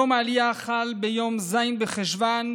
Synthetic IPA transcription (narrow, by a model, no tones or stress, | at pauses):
omaliaχalbejomzajnbeχeʃvan